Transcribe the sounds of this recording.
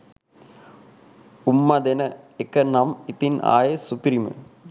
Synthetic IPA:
umːɐd̪enɐekːɐnɐmit̪ina̰ːjɐsupiɾimɨ̰

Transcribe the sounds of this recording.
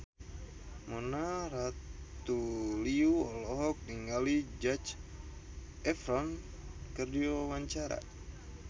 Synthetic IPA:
mɔnaɾat̪uliuɔlɔɦɔk̚niŋalid͡ʒat͡ʃ | ɛfɾɔn | kərdiwawaɲt͡ʃaɾa̰

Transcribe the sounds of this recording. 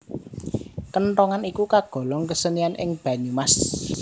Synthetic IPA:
kənɾɔŋanikukaɡ̥ɔ̤lɔŋkəsənianʔɪ̰ŋb̥ä̤ɲumas

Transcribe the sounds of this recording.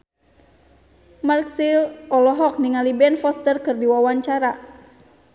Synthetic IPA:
marksilɔlɔɦɔk̚niŋalibɛnfɔst̪ərkɨrdiwawaɲt͡ʃaɾa

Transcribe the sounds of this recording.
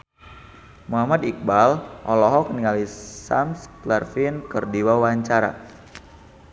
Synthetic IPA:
muɦamad̪ik̚balʔɔlɔɦɔkəniŋɡalisa̰msklɛrfinkərdiwawaɲt͡ʃaɾa̰

